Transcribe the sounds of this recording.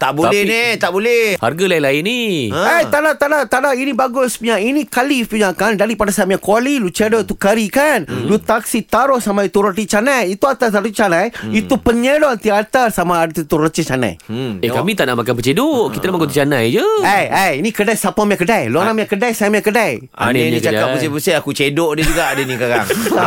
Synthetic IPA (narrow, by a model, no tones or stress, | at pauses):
t̪aʔbolɛnit̪aʔbolɛha̰rɡalailaɪniajt̪adat̪adat̪adainĩbaɡʊspəɲainĩkalipuɲakandaɾipadasamjakwalilut͡ʃedɔit̪ukaɾikanlut̪aksit̪aɾʊhsamãit̪uɾətit͡ʃanajit̪uat̪asaɾit͡ʃanajit̪upəɲədɔant̪iat̪arsamaːdət̪it̪uɾət͡ʃit͡ʃanã̰jekamĩt̪aʔnaʔmakanpət͡ʃedoʔkit̪anamaɡot̪it͡ʃanajd͡ʒəajajinĩkədajsapamakədajloanamakədajsamakədaj | a̰nenĩt͡ʃakapəsepəseakut͡ʃedɔʔded͡ʒuɡaʔdenĩkaɡa̰ŋ